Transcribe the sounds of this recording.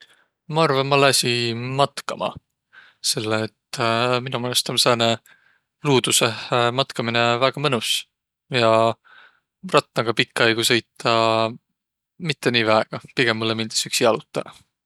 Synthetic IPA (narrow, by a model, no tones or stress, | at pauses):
mɑɑrvɑmːɑlːɑsʲimɑt̪kɑmɑ̰ | se̞lːeːt̪ːminumelst̪omseːne | luːd̪̥usemɑt̪kɑminevæɡ̥ɑmɤnus | jɑ | rɑt̪ˑːɑɡ̥ɑpikˑːɑjɡ̥usejt̪ʰˑːɑ | mit̪ːe̞niːvæeɡ̥ɑpiɡ̥emːulːemind̪̥e̥syksiɑlut̪ːˑɑ̰